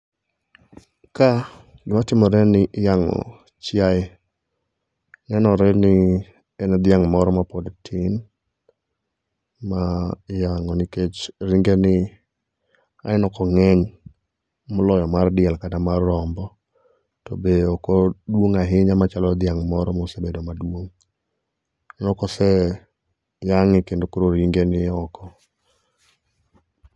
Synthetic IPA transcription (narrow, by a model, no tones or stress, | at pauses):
ka | ɡɪmatɪmɔɾɛnɪjaŋɔ̰ | t͡ʃjaj | nɛnɔɾɛnɪ | ɛnɛd̪ɪjaŋmɔɾɔmapɔdtʰin | majaŋɔnɪket͡ʃɾiŋɡenɪ | a̰ɪnɔkɔŋɛɲ | mɔlɔjɔmardɪɛlkatamarːɔmbɔ | tɔ̰beokodwoŋaɦɪɲamat͡ʃalɔd̪ɪjaŋmɔɾɔmɔsebedomadwoŋ | ɔnɔkɔsɛ | jaŋɪkendokɾoɾiŋɡenɪɔkɔ